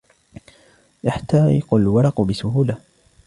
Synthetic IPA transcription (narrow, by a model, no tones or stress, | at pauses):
jaħt̪aːɾɪ̰qʊlwɑɾˤɑqʊbɪsʊhuːla